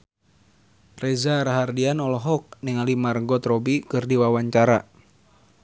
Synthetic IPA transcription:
rɛzaɾaɦardianɔlɔɦɔk̚niŋalimarəŋɡɔt̪rɔbikɨrdiwawaɲt͡ʃaɾa

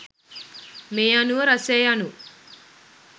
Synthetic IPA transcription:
meːɐnuʋəɾɐseːanu

